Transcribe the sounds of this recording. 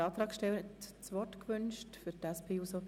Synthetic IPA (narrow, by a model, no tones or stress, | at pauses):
ɑːt̪ɾɑːkʃtɛwətt͡sʋɔtkʋʏnʃtfʏɾtæspʰeːuso